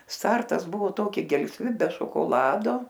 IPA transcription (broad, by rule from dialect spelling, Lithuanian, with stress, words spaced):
ˈstɐrtɐs ˈbʊʋoː ˈtoːkʲɪ ɡʲɛlʲsʲˈʋʲɪ bʲɛ ʃoːkoːˈlˠɑːdoː